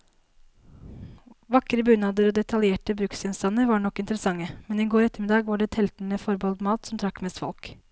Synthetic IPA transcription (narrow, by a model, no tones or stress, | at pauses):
ʋɑkːɾəbʉnɑd̪əɾɔd̪ɛt̪ʰɑljeːʈəbɾʉksɪnst̪ɑnːəɾʋɑːɳɔkːɪnt̪əɾəsɑŋːəmɛnɪɡoːɾɛt̪ːəɾmɪd̪ɑːɡʋɑːɖɛt̪ʰɛlt̪ɳəfɔɾbɑld̪mɑːt̪sɔmt̪ʰɾɑkːmɛst̪fɔ̰lk